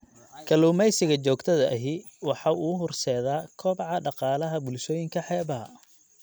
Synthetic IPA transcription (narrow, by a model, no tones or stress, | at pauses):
kʰɐluːmɛjsɪɣɐt͡ʃɔːɡt̪ʰɐðɐʔɐɦi | wɑħɑːʔuːɦʊrsɛːðaːkʰɔːbʕɑɖɑqɑːlɐɦɐbʊlʃɔːjɪŋkʰɐħɛːβɐɦɐ̰